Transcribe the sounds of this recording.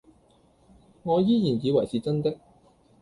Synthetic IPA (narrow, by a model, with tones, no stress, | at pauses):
ŋɔː˨˧jiː˥jiː˨˩njiː˨˧wɐ˨˩jsiː˨t͡sɐ˥nt̪ɪ˥k̚